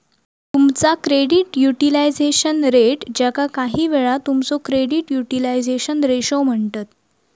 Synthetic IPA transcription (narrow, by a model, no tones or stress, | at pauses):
t̪umt͡sakɾeɽiʈjuʈilajd͡zeɕənɾeʈd͡ʑakakaɦiːʋeɭat̪umt͡sokɾeɽiʈjuʈilajd͡zeɕənɾeɕom̤əɳt̪at̪̚